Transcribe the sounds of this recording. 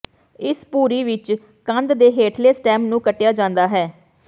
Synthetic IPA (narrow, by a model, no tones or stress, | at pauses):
ɪspuːɾiːʋɪt͡ʃ | kə̃nd̪d̪eːɦeːʈʰleːsʈɛ̃ːmpnũːkəʈːejaːd͡ʒãːnd̪aːɦɛː